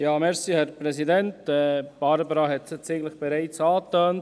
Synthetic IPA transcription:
jɑːmɛɾsihɛɾpɾɛsidɛntɛːb̥ɑɾbɾɑːɦɛt̪sɪt͡sɪɡləχb̥ɛɾɛɪt͡sɑːt̪øːnt

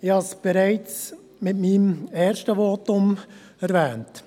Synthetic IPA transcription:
ɪhɑsb̥ɛɾaɪt͡s | mɪtmiːmɛːɾʃtəʋoːtʊm | ɛɾvɛːnt

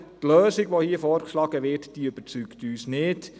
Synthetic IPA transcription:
t̪lœːsiɡʋohiəfɔːɾkʃlɑːɡəʋɪtd̥iøb̥ət͡sykt̪yːsnɪt

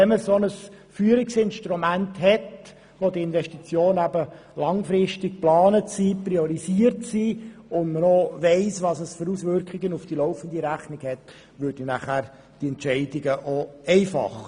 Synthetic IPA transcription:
ɛməsonəs | fyːəɾɪksɪnʃtɾumæntɦɛt | ʋodiɪnʋɛʃtit͡sjoːnæbə | lɑŋfɾɪʃtɪk̚plɑːnətsiːpɾiɔɾisiərtsiːʊndmənɔʋɛɪsʋɑsəsføɾusʋʏɾkʰχɪɡənufd̥ilɔʊfənd̪iɾæχnɪɡhɛt | ʋʏɾdinæχæːɾ | d̥iɛntʃɛɪd̥ɪɡəʔoɛɪfɑ̰χ

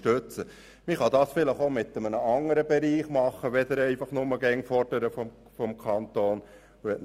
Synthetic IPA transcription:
tøt͡sə | mɪχɑd̪ɑːsfɪləχomɪt̪ːəmənəɑŋəɾəbɛɾiːχmɑχːəʋɛd̪əɾɛɪfɑχnʊməɡɛŋfɔrd̥əɾəfɔ | fɔmkʰɑnt̪oːn | ɛt

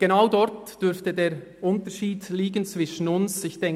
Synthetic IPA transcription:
ɡ̥enaʊdɔɾtd̥ʏɾftədeːɾʔʊntəʃiːdliːɡənt͡sv̥ɪʃən̩ʊnsɪçd̥ɛŋ

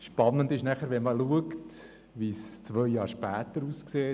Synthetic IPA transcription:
ʃpɑnːəndɪʃnæχəɾʋɛnməluəkt | ʋist͡sʋœjjɑːɾʃpæːt̪əɾuːskseː

